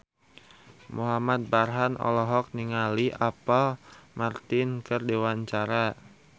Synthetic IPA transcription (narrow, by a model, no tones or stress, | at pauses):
muɦamat̪̚barɦanɔ̰lɔɦɔk̚niŋaliʔapalmart̪ɪnkɨrdewaɲt͡ʃaɾa